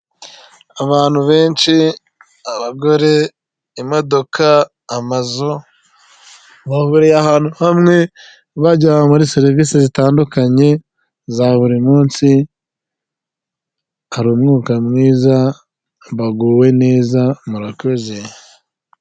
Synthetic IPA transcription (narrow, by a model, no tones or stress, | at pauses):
aβaːn̥huβe̞ːnʃi | aβaɡo̞ɾe̞ | imo̞do̞kaː | mazo | βahuːɾejahaːn̥huhamŋe̞ | βaɟawamuɾiseɾivisizitaːndukaɲe̞ | zaβuɾimuːnsi | haɾuːmŋuːkamŋiːza | βaɡuːwe̞neːzamuɾakoze